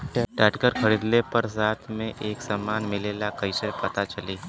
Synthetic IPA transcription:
ʈʈəʈkəɾkʰɐɾiːd̪lepɐɾs̬aːt̪ʰmẽʔeːksɐmaːnmɪleːlakɐɪsepɐt̪at͡ʃɐliː

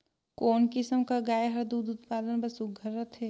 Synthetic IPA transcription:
koːnkɪsəmkaɡaːjɦɐɾd̪uːd̪ʊt̪̚paːd̪ənbɐsʊɡʱəɾːɐt̪ʰɦɛː

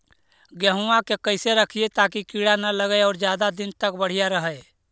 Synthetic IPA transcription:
ɡəɦuãkekəɪseɾəkʰiet̪aːkikiɽanələɡəɔːɾd͡ʒjaːd̪ad̪ɪnt̪ək̚bəɽ̤ijaɾəɦəe

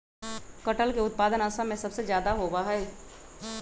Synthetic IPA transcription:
kɐʈəlkeʊt̪̚paːd̪ənaːsamẽsɐbsezjaːd̪aɦoːwaɦɛː

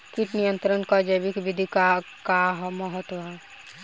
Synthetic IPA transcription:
kiʈnijə̃nt̪ɾənkad͡ʒəjʋikʋid̪ʱika | kaɦməɦət̪wəɦɛ

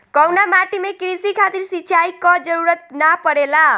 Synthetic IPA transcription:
kʌwnamaʈimekɾisikʰat̪iɾsit͡ʃajkɔd͡ʒʌɾuɾət̪̚napʌɾela

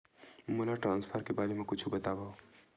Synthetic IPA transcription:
mulaʈɾãːnspʰəɾkebaːlemẽkʊt͡ʃʰubɐt̪abaw

